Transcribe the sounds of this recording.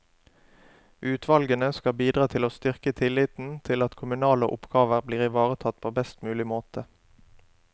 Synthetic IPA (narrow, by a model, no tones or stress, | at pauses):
ʔʉːt̪ʰʋɑlɡənəskɑbiːd̪ʁɑːt̪ʰɪloːst̪ʏʁkət̪ʰɪlɪt̪n̩t̪ʰɪlɑt̪kʰʊmʉnɑːlə̰ʔʊ̰pɡ̥ɑːʋəʁbliːʁɪʋɑːʁət̪ʰɑt̪̚ːpʰoːbɛst̪mʉːlɪmoːt̪ʰə